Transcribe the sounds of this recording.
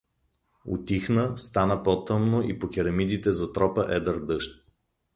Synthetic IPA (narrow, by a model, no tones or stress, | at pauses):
ʊ̰t̪ixnəst̪anəpɔt̪ɤmnoʔipok̟ʲiɾɐmid̪it̪ɛzɐt̪ɾɔpəʔɛd̪əɾd̪ɤʃt̪̚